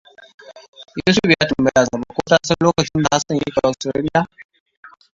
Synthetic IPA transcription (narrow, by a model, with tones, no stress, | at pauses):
ju˦sʊ˦pjaː˦tʊ˨mbɐ˦jaː˨zɐ˨ma˨˦kʷoː˦taː˦sɐ˦nloː˦kɐ˨t͡ʃɪ˦nda˨ha˦sɐ˨jḛ˦kʼɐ˨ʔa˨stɾa̰˦ɽɪ˦ja˦